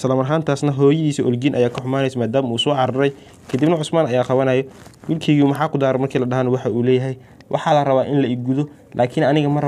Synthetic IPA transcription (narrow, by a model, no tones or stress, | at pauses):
sɐlɐmɐrɦaːnt̪ʰaːsnɐɦɔːjɐðiːsiʔɔlɡiːnʔɐ̰jaːkʰɐħʊmaːnɛjsɐmaːd̪aːmuːsɔːʕɑɾɐɾɛj | kʰɐd̪ibnɐʕʊsmaːnɐjaːqɑβɐnɐjɔwɪlkʰɛɣiumɐħɑːkʰʊd̪aːɾɛmɐrkʰiːlɐɖɐɦaːnɐwɑħɑuːlɛːjɐɦɛj | wʔɑħɑːlɐrɐβaːʔɪnlɐɪɡuðɔ | lʔaːkʰɪnɐnɪɣɐmɐr